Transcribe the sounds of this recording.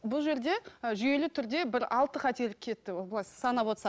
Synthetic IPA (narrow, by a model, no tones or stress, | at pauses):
bʊlˠʒe̞ɾd̪e̞ʒʏje̞lɪt̪ʰʏɾd̪e̞bɪɾɑ̰lˠt̪əqɑt̪e̞ɾlɪkʲʰe̞t̪ːɪwoblˠɑssɑnɑpo̞t̪sɑ